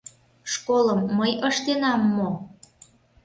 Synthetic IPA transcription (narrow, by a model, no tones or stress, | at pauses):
ʃkoləmːəjəʃt̪enɑmːo